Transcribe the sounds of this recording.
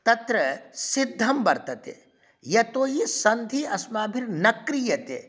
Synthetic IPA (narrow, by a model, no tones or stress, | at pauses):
t̪ɐt̪ɾɐsɪd̪ʱːɐmbɐɾt̪ɐt̪ḛ | jɐt̪oːjisɐnd̪ʱiʔɐsmaːbʱiɾnɐkɾijɐt̪ḛː